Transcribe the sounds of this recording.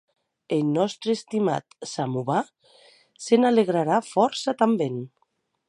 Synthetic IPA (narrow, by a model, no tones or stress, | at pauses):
elnɔst̪ɾest̪ima̰t̪samuβa | senaleɣ̞ɾaɾafɔɾsat̪amben